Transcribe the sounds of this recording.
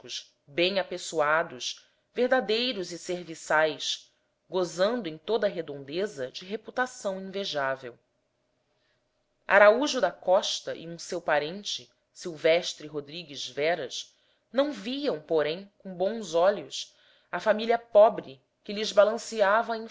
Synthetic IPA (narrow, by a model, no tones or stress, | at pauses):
kʊʃ | bẽj̃apesuad̪ʊʃ | veɦd̪ad̪ejɾʊzɪseɾvisajʃ | ɡozɐ̃nd̪ʊẽj̃t̪od̪ɐɦed̪õnd̪ezɐd͡ʒɪɦeput̪asɐ̃w̃ĩveʒavḛw | a̰ɾauʒʊd̪ɐkɔʃt̪ɐʔḭũsewpaɾẽnt͡ʃɪ | siwvɛʃt̪ɾɪɦod̪ɾiɡɪzvɛɾɐʃ | nɐ̃w̃viɐ̃w̃poɾẽj̃kõbõw̃zɔʎʊs | ɐfamiliɐpɔbɾɪ | kɪlɪzbalɐ̃siavɐĩ